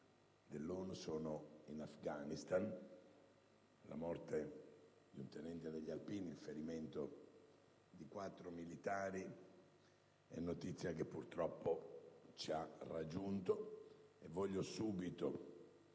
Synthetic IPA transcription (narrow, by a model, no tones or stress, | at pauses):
d̪elːoːnosɔːnoinafɡanist̪an | la̰mɔrt̪e | d̪iunt̪enɛnt̪iad̪eʎːalpiːnilfeɾimɛnt̪o | d̪ikwat̪ːɾomilit̪aːɾi | ɛ̰nːot̪it̪sːjakepːurt̪ɾɔpːot͡ʃiarːad͡ʒːunt̪oevːɔʎːosuːbit̪o